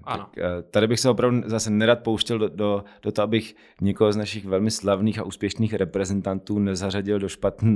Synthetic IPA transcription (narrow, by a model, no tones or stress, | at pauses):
t̪akːt̪adɪbɪxsɛopɾavduzasɛnɛɾaːt̪̚powʃcɛldod̥ot̪oʔabɪx | ɲɛkoɦoznaʃɪxvɛlmɪslavniːxaʔuːspjɛʃniːxɾʔɛpɾɛzɛnt̪ant̪uːnɛzaraɟɪldoʃpat̪nɛ